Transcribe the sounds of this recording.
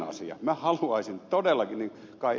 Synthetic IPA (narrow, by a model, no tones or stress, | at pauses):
ɑ̰sḭjɑ̰mæhɑluɑˑisint̪odelːɑkinniŋ | kɑˑi